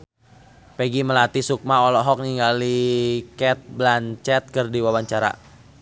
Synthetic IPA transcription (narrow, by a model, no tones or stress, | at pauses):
peɡiməlat̪isuk̚maɔlɔɦɔk̚niŋɡalikɛt̪̚blant͡ʃɛt̪̚kərdiwawaɲt͡ʃaɾa̰